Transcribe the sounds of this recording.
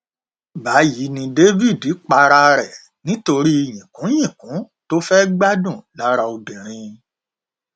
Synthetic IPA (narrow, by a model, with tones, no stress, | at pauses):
ba˨˦ji˨˦nĩ˧de˦vi˦˨di˨˦k͡pa˧ɾa˧ɾɛ˨ | nĩ˦to˧ɾi˦˨jĩ˨kũ˨˦jĩ˦˨kũ˨˦ | to˦fɛ˦ɡ͡ba˦dũ˦˨la˦ɾa˧o˧dĩ˨ɾ̃ĩ˧